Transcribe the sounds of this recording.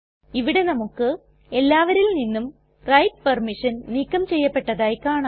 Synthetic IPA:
iʋiɽe̞nɐmukːɨ | e̞lːaːʋɐɾilninːum | rɐjʈ̚pɐrmiʂɐnniːkːɐmt͡ɕe̞jːɐpːe̞ʈːɐðaːjkaːɳa

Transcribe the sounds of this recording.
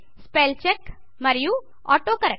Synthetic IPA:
speːlt͡ʃek | mɐɾju | ɔ̰ːʈokɐɾə

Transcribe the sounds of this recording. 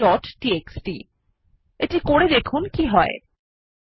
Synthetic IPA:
ɔʈʈieksʈḭ | eʈikoɽed̪ekʰunkiɦɔe

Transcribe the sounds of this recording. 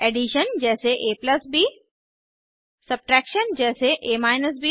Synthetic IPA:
eːɖiʃənd͡ʒɛːseʔeːplɐsbi | sɐb̚ʈɾɛːkʃənd͡ʒɛːseʔeːmaːɪnəs̬bʱi

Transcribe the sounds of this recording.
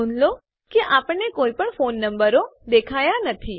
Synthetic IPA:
unlo | keʔapəɳekoːipəɳfonːəmbəɾod̪ekʰajanət̪ʰi

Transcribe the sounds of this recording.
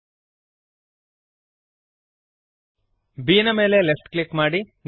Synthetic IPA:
biːnɐme̞ːlelefʈklikːmaːɽin

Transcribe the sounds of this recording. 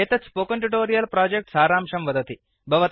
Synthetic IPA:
et̪ɐt͡spoːkəɳʈuʈ̬oːɾijɐlpɾaːd͡ʒek̚ʈsaːɾaːmʃɐmʋɐd̪ɐt̪i | bʱɐʋɐt̪

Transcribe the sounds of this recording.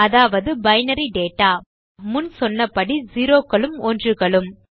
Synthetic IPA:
ɐðaːʋɐðɯbɐɪnɐɾiɖeːʈːaː | mʊnsɔnːɐpːɐɽiziːɾoːkːɐɭɯmɔndrɯɣɐɭɯm

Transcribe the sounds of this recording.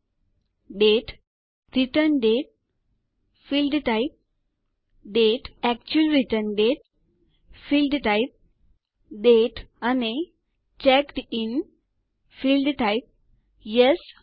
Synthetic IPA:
ɖeʈ | ɾiʈəɾnɖeʈ̚ | filɖʈajp̚ | ɖeʈɛkt͡ɕuəlɾiʈəɾnɖeʈ̚ | filɖʈajp̚ | ɖeʈani | t͡ɕɛkʈin | filɖʈaɪp̚ | jes

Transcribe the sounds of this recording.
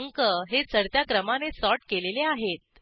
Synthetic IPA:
ŋkəɦet͡səɽt̪jakɾəmanesɔʈkeleleaɦet̪̚

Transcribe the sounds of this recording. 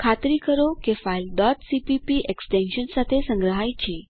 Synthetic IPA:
kʰat̪ɾiːkəɾokefajlɖɔt̪sipipiʔeksʈẽnɕənsat̪ʰesə̃ŋɡɾəɦajt͡ɕi

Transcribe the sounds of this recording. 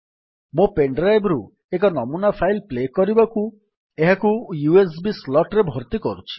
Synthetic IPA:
mũpeɳɖɾajbɾu | ek̬ɔnɔmunapʰajlplekɔɾibaku | eɦakujues̬bislɔʈɾebʱoɾt̪ikɔɾut͡ʃʰi̥

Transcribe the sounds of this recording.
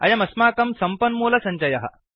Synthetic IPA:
ɐ̰jɐmɐsmaːkɐmsɐmpɐnmoːlɐsɐɲt͡ɕɐjɐɦɐ̰

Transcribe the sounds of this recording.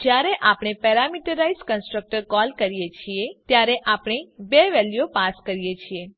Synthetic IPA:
d͡ʒjaɾeʔapɳ̃epɛɾamiʈəɾaizkənsʈɾək̚ʈəɾkɔlkəɾijet͡ʃʰiet̪jaɾeʔapɳ̃ebeʋɛljopaskəɾijet͡ʃʰie

